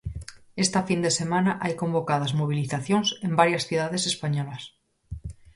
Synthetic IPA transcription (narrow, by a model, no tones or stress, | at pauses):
est̪afind̪ese̞mãnaʔajkõ̞mbo̞kað̞azmoβ̞iliθaθjonse̞mbaɾjasθjuðaðe̞se̞spaɲolas